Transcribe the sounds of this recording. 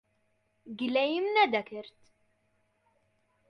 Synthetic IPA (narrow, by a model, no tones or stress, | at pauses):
ɡlæjimnæd̪ækəɾt̪